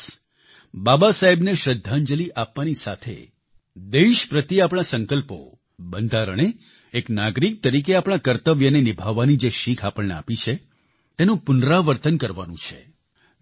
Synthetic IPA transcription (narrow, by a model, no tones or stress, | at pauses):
babasaɦebneʃɾəd̪ʱːand͡ʒəliʔapʋanisat̪ʰḛ | d̪eʃpɾət̪iapɽ̃asəŋkəlpo̰ | bənd̪ʱaɾə̰ɳ̃e | eknaɡɾik̚t̪əɾik̬eapɽ̃ãkəɾt̪əʋjənenibʱaʋːanid͡ʒeʃikʰapəɭnea̰pit͡ʃʰe | t̪enũpʊnɾaʋəɾt̪ənkəɾʋa̰nũt͡ʃʰe